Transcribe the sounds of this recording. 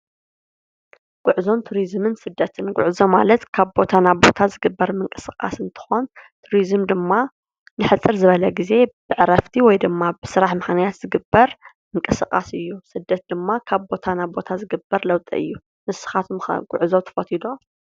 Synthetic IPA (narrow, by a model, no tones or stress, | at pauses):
ɡ̥ʊʕzo̞nt̪ʰuɾizmɨnsɨd̪ːɐt̪ʰɨnɡʊ̰ʕzoma̰lɐt̪kʰaβbo̞t̪ʰanaβbo̞̰t̪ʰazɨɡɨbːɐɾmɨŋkʼɨ̥sɨkʼa̰sɨnt̪ʰɨ̥xont̪ʰuɾizɨmd̪ɨmːa | nɨħɨt͡sʼːɨɾzɨβɐlɐɡize̞b̥ɨʕɾɐft̪ʰiwɔjd̪ɨmːabɨsɨɾaħmɨħnajat̪z̥ɨɡɨbːɐɾ | mɨŋkʼɨsɨkʼa̰sɨjːusɨd̪ːɐt̪̚d̪ɨmːakʰaβbo̞t̪ʰanaβbo̞t̪ʰazɨɡɨbːɐɾlɐwt̪ʼḭʔɨ̰jːu | mɨsɨ̥xat̪ʰum̰ɡʊ̰ʕzowt̪ʰɐ̥fɐt̪ʰid̪o̞